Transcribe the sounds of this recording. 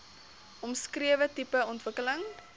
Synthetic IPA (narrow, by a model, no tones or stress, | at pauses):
ɔmskriəvətipəɔntvəkələŋ